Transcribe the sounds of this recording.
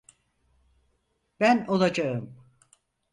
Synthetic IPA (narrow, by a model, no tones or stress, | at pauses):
bæno̞lˠad͡ʒaɯm